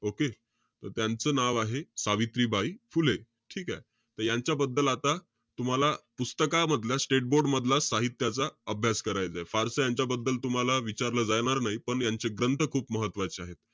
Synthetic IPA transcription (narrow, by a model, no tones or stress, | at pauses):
oke | t̪əɾt̪jant͡səːnaʋaɦesaʋit̪ɾiːbaifule | ʈʰiːkae | t̪əɾjaɲt͡ɕjabəd̪ːəlat̪a | t̪um̤alapust̪əkaməd̪ʱljasʈeʈ̚boɾɖməd̪ʱlasaɦit̪ːjat͡saəbʱjaskəɾajd͡zaefaɾsəjaɲt͡ɕjabəd̪ːəlt̪um̤alaʋit͡ɕaɾləd͡zajɳ̃aɾnaɦipəɳjaɲt͡ɕeɡɾənt̪ʰəkʰuːpməɦət̪ːʋat͡ɕeaɦet̪